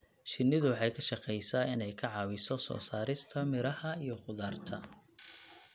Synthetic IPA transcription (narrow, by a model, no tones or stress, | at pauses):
ʃɪnːɪðʊwħɑjkʰɐʃɑqɛjsɐɪnɛjkʰɐʕɑːwɪsɔsɔ̰ːsaːɾɪst̪ʰɐmɪɾɐhɐijɞqʊðaːrt̪ʰɐ